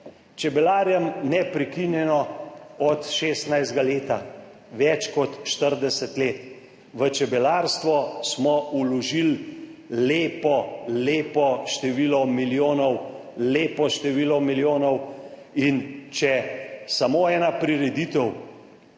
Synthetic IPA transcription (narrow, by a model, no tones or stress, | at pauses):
t͡ʃɛbɛlaːɾjɛmnɛpɾɛkinjɛnɔɔt̪ʃeːst̪najzd̪ɡaleːt̪a | ʋɛt͡ʃkɔt̪ʃt̪əɾd̪ɛsɛt̪leːt̪ | ʋət͡ʃɛbɛlaɾst̪ʋɔsmɔulɔʒil | leːpɔleːpɔʃt̪ɛʋilɔmiljoːnɔw | leːpɔʃt̪ɛʋiːlɔmiljoːnɔw | int͡ʃɛsamoːɛːnapɾiɾɛd̪it̪ɛw